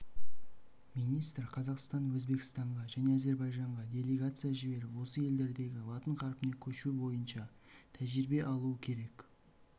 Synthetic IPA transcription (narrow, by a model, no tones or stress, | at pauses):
minijst̪ɾqʰɑzɑqst̪ɑnwɵzbe̞kʲɪ̥st̪ɑɴʁɑʒæne̞æze̞ɾbɑjʒɑɴʁɑdʲe̞lʲe̞ɡat̪sɨjaʒɪbe̞ɾɪwo̞səje̞ld̪e̞ɾd̪e̞ɡʲɪlˠɑt̪əɴqʰɑɾpənekʲʰɵʃubo̞jənʃɑ | t̪ʰæʒɪɾɪbe̞ʔɑlˠuəkʲʰe̞ɾe̞k